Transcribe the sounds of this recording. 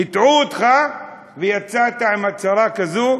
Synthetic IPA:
it̪ʕuot̪χa | vejat͡sat̪aimat͡saɾakazo

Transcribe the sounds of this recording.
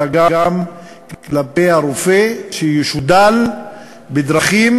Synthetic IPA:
aɡaɡam | klapehaɾofeʃejuʃud̪al | bed̪ɾaχim

